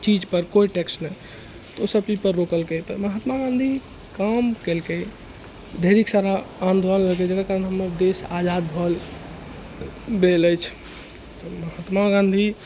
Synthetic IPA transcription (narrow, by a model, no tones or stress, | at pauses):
t͡ʃid͡ʒpəɾkoiʈeksna | t̪ɔosəbpipəɾːokəlket̪ɔməɦat̪maɡãnd̪ʱi | kamkelke | d̪ʱeɾiksaɾaand̪olənləked͡ʒekakaɾənɦəməbd̪esad͡ʒad̪bʱəl | beləjt͡ʃʰ | t̪ɔməɦat̪maɡãnd̪ʱi